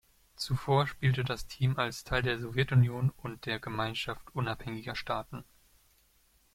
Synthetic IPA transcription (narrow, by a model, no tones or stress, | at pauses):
t͡sufoːɐʃpiːltədastʰiːmalstʰaɪldeːɐzɔvjɛtʊnjoːnʊnt̚d̥eːɐɡəmaɪnʃaftʔʊnaphɛŋɪɡɐʃtʰaːtn̩